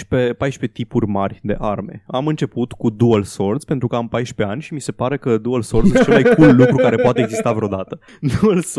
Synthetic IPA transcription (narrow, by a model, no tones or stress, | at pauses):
ʃpepajʃpe̞t̪ipurʲmarʲd̪e̞̰ʔarme̞̰amɨnt͡ʃe̞put̪kud̪uəlso̞rd̪spe̞nt̪ɾukəampajʃpe̞anʲʃimise̞paɾe̞kəd̪uəlso̞rzɨst͡ʃemajkulːukɾukaɾe̞poat̪eeɡzist̪avɾeod̪at̪ə | d̪uəls